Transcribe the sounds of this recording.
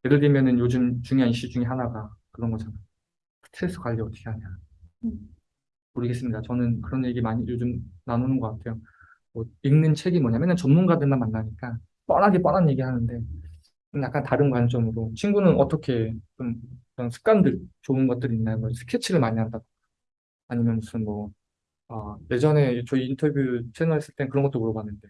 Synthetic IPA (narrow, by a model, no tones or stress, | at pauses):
jeɾɯɭdimjʌnɯnjod͡ʑɯmt͡ɕuŋjoɦaniɕ͈id͡ʑuŋe̞ɦanaɡakɯɾʌnɡʌt͡ɕʰanajo | sʰɯ̥tʰɯes͈ʰɯkwaʎːiʌtʰʌ̥kʰeɦaɲija | oɾɯɡe̞s͈ɯmɲidat͡ɕʌnɯnkɯɾʌnje̞ɡimaɲijod͡ʑɯmnanonɯnɡʌk͈atʰe̞jo | mʌiŋnɯnt͡ɕʰe̞ɡimwʌɲamjʌnɯnt͡ɕʌmmunɡadɯɭmanmanːaɲik͈a | p͈ʌnaɡep͈ʌnanje̞ɡiɦanɯnde̞ | ɯnjak͈antaɾɯnkwant͡ɕ͈ʌmɯɾot͡ɕʰinɡunɯnʌt͈ʌkʰe̞t͡ɕomkɯɾʌnsʰɯ̥k͈̚andɯɭt͡ɕoɯnɡʌt̚t͈ɯɾinːajmʌsʰɯ̥kʰet͡ɕʰiɾɯɭmaɲiɦandaɡo | aɲimjʌnusʰɯnmwʌ | ʌje̞d͡ʑʌne̞t͡ɕʌiintʰʌbjut͡ɕʰe̞nʌɦes͈ɯɭteɯnkɯɾʌŋɡʌt͈omuɾʌbanːɯnde̞